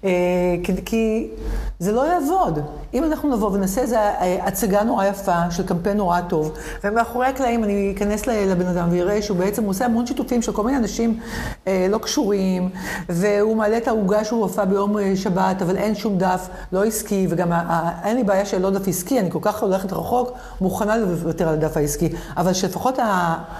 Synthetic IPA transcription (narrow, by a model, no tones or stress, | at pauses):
ekikʰi | zelo̞jaːvo̞d | imanaχnunavo̞venasezeeʔat͡saɡano̞ʁajafaʃelkampenːo̞ʁato̞v | vemeaχoʁeaklaimaniikaneslelebenadamveiʁeʃeubeet͡semuoseamo̞nʃitufimʃeko̞lmineanaʃim | elo̞kʃuʁimve̞umaːleːtauɡaʃehuafabejo̞meʃabatavalʔe̞nʃumdaf | lo̞iskiveɡamaenlibaːjaʃelo̞dafiskianiko̞lkaχoleχetʁaχo̞k | muχanalevvateʁaladafhaiski | avalʃele̞faχo̞tha